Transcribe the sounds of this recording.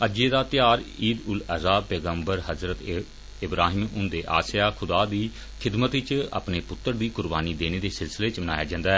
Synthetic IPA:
əd͡ʒeːd̪aːt̪ɪjaːɾiːd̪ʊləzaːb̚pɛːɡəmbəɾɦəzɾət̪ | ɪbɾaːɦɪmʊ̃nd̪eːʔa̰ːsjaːkʰʊd̪aːd̪iː | kʰɪd̪mət̪ɪt͡ʃa̰pneːpʊt̪ːəɾd̪iːkʊɾbaːniːd̪eːneːd̪eːsɪlsɪleːt͡ʃməna̰ːjaːd͡ʒãːnd̪aːɦɛː

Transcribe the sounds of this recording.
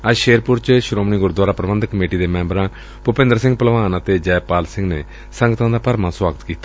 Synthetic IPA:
əd͡ʒʃeːɾpʊɾt͡ʃʃɾoːmniːɡʊɾd̪waːɾaːpɾəʋənd̪kəmeːʈiːd̪eːmɛ̃ːmbəɾãː | pʊpɪ̃nd̪əɾsɪ̃ŋɡpəlʋaːnãːt̪eːd͡ʒɛːpaːlsɪ̃ŋɡnḛː | səŋɡt̪ʰãːd̪aːpəɾmãswaːɡət̪kiːt̪a

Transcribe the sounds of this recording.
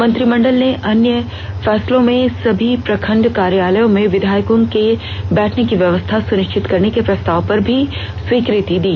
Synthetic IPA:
mɐ̃nt̪ɾimɐ̃ɳɖəlneʔɐnjə | fɛːslõmẽsɐbʱipɾɐkʰə̃ɳɖkaːɾjaːləjõmẽʋɪd̪ʱaːjəkõke | bɛːʈʰnekiʋjɐʋəst̪ʰasʊnɪʃt͡ʃɪt̪kɐɾnekepɾɐst̪aːʋpɐɾbʱi | swiːkɾɪt̪id̪iː

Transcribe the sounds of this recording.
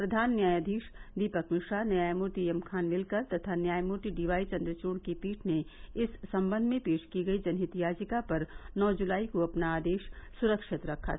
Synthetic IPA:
pɾɐd̪ʱaːnːjaːjəd̪ʱiːʃd̪iːpəkmɪʃaːnɐjaːjmoːʈ̪iemkʰaːnmɪlkɐɾt̪ɐt̪ʰanjaːjmoːʈ̪iɖiːʋaːit͡ʃɐ̃nd̪ɾət͡ʃoːɽkipiːʈʰneɪsːɐ̃mbə̃nd̪ʱmẽpeːʃkiɡɐid͡ʒɐnɦɪt̪ijaːd͡ʒɪkapɐɾnɔːd͡ʒʊlaːikoɐpnaaːd̪eːʃsʊɾəkʃɪt̪ɾɐkʰːa̰

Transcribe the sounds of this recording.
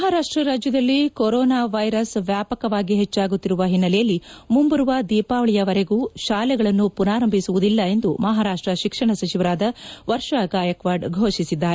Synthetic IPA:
mɐɦaːɾaːʂʈɾɐɾaːd͡ʒjɐd̪ɐlːikoɾɔːnaːʋɐjɾɐsʋjaːpɐkɐʋaːɡiɦet͡ʃːaːɡut̪ːiɾuʋɐɦinːɐlɛjɐlːimumbɐɾuʋɐd̪iːpaːʋɐɭijɐʋɐɾeɡuːʃaːlɛɡɐɭɐnːupunaːɾɐmbʱisuʋud̪ilːɐe̞nd̪umɐɦaːɾaːʂʈɾɐʃikʂɐɳɐsɐt͡ʃiʋɐɾaːd̪ɐʋɐɾʂaɡaːjɐkʋaːɾɖɡʱoːʃisid̪ːaːɾe

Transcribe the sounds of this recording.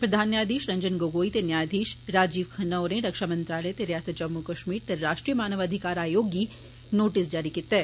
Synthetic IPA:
pɾɐd̪ʱaːnjaːd̪iːʃɾɐ̃ɲd͡ʒənɡoːɡoːit̪enjaːd̪ʱiːʃɾaːd͡ʒiːʋkʰɐnɐːɾẽɾɐkʃamɐ̃nt̪ɾaːləet̪eɾijaːsɐt̪̚d͡ʒɐmːukɐʃmiːɾt̪eɾaːʃʈɾijəmaːnəʋɐd̪ʱɪkaːɾaːjoːɡji | noːʈɪsd͡ʒaːɾikɪt̪ːɛ

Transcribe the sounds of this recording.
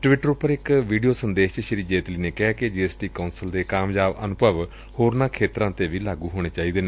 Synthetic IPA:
ʈʋɪʈəɾʊpəɾɪkʋiːɖijoːsənd̪eːʃt͡ʃʃɪɾiːd͡ʒeːt̪liːneːkɛked͡ʒiːeːsʈiːkaːnsəld̪eːkaːmjaːbənʊbʱəʋ | hoːɾnãːkʰeːt̪ɾãːt̪eːʋiːlaːɡuːɦoːɽ̃eːt͡ʃaːiːd̪eːneː

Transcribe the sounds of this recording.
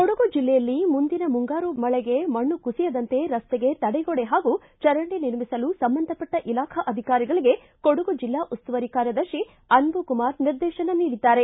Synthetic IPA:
koɽuɡud͡ʒilːɛjɐlːimund̪inɐmuŋɡaːɾumɐɭɛɡe̞mɐɳːukusijɐd̪ɐnt̪e̞ɾɐst̪ɛɡe̞t̪ɐɽɛɡoɽeɦaːɡu | t͡ʃɐɾɐɳɖeniɾmisɐlusɐmbɐnd̪ʱɐpɐʈːɐʔilaːkʰɐʔɐd̪ʱikaːɾiɡɐɭiɡe̞ | koɽuɡud͡ʒilːaːʔust̪uʋɐɾikaːɾjɐd̪ɐʃi | ɐnbukumaːɾniɾd̪ɛːʃɐnɐniːɽid̪ːaːɾe̞

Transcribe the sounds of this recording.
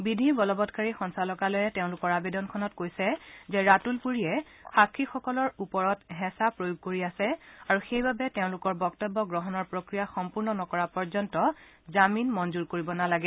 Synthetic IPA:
bidʱibɔlɔbɔtkaɹixɔnsalɔkalojɛteʊ̃lʊkɔɹabedɔnkʰɔnɔtkojsɛzɛɹatulpuɹiɛ | xakʰːixɔkɔlɔɹupɔɹɔtɦɛ̃sapɹojuɡ̚koɹiasɛaɹuxejbabɛteʊ̃lʊkɔɹbɔktɔbːɔɡɹɔɦɔnɔɹpɹokɹijaxɔmpuɹnɔnɔkɔɹapɔɹzɔntɔ | zaminmɔnzuɹkoɹibɔnalaɡɛ

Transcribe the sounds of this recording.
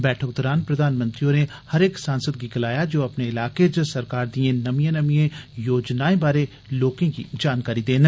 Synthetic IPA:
bɛːʈʰək̚d̪ɔːɾaːnpɾɐd̪ʱaːnmə̃nt̪ɾiõne | hɐɾeːksaːnsəd̪̚ɡiɡɐlaːjad͡ʒoːɐpneɪlaːked͡ʒəsɐɾkaːɾd̪iẽnɐmijẽnɐmijẽjoːd͡ʒnaːẽbaːɾe | loːkẽkḭd͡ʒaːnkaːɾid̪eːn

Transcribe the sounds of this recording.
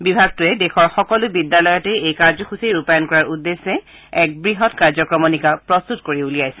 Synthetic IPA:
bibʱaɡ̚tʊɛdɛxɔɹxɔkɔlʊbidːalɔjɔtɛejkaɹzɔxuseɹupajɔnkɔɹaɹudːesːɛ | ɛk̚bɹiɦɔtkaɹzɔkɹɔmɔnikapɹɔst̪utkoɹiulijajsɛ̥

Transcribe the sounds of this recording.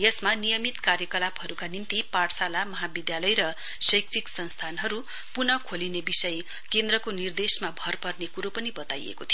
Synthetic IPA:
jʌsmanijʌmit̪kaɾjʌkʌlapɦʌɾukanint̪iparsalamʌɦabid̪jalʌjɾʌ | sʌjk̚t͡siksʌnst̪ʰanɦʌɾu | punʌkʰolinebisʌj | kend̪rʌkonird̪esmabʱʌrpʌrnekuɾopʌnibʌt̪ajḛkot̪ʰijo

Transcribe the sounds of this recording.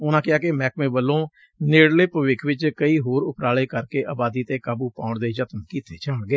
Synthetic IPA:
ʊnãːkɪaːkemɛːkmẽːbəlːõː | nɪːɽleːpəʋɪkʰʋɪt͡ʃkəiːɦoːɾʊpɾaːleːkəɾkeːʔaːbaːd̪iːt̪eːkaːbuːpaːʊɳd̪eːd͡ʒət̪mkiːt̪eːt͡ʃaːɽɡeː

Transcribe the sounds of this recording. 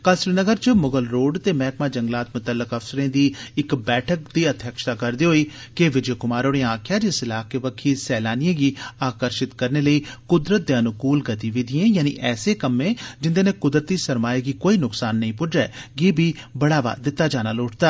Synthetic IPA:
kəlsɾiːnəɡəɾt͡ʃəmʊɡəlɾoːɖt̪eːmɛːkmaːd͡ʒə̃ŋɡlaːt̪̚mʊt̪əlːəkəfsəɾẽːd̪iːɪkbɛːʈʰək̚d̪iːət̪ʰjəkʃt̪aːkəɾd̪iːɦoiː | keʋɪd͡ʒeːkʊmaːɾoːɽẽãːkʰjaːd͡ʒɪsɪlaːkeːʋəkʰːiːsɛːlaːnijẽːɡiːaːkəɾʃɪt̪kəɾneːləiːkʊd̪ɾət̪̚d̪eːənʊkuːlɡət̪iːʋɪd̪ʱiẽːjaːnḭʔɛːseːkəmẽːd͡ʒɪnd̪eːnẽːkʊd̪ɾət̪iːsəɾmaːiɡiːkoːiːnʊksaːnːəĩːpʊɖɾɛːɡiːbʱiːbəɽaːʋa̰ːd̪ɪt̪ːaːd͡ʒaːnaːloːʈʰd̪aː

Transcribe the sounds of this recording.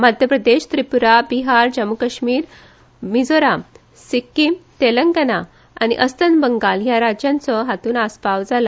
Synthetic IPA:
mad̪ʱjəpɾəd̪eɕt̪ɾipuɾabiɦaɾd͡ʑəmukəɕmiːɾ | mid͡zoɾa | sikːimt̪eləŋɡəna | anḭʔəst̪ənbəŋɡaljaɾad͡ʑjãnt͡sɔɦat̪uːnaspawd͡zala

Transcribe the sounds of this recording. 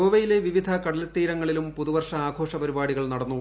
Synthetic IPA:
oːʋɐjile̞ʋiʋid̪ʱɐkɐɽɐlt̪ːiːɾɐŋːɐɭilumpuðuʋɐrʂɐaːɡʱo̞ːʂɐpɐɾibaːɽiɣɐɭnɐɽɐnːu

